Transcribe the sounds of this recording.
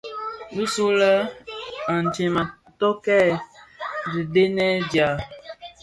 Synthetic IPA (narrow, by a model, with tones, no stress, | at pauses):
bu˦su˦lə˦ | a˨n˨d͡ʒe˨ma˨ | tɔ˦kɛ˦˨ | di˨de˦nɛ˦d͡ʒja˨